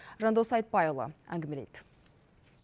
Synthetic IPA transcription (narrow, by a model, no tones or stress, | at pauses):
ʒɑnd̪osɑjt̪̚pɑjolˠə̰æ̰ŋɡʲɪmelḛjt̪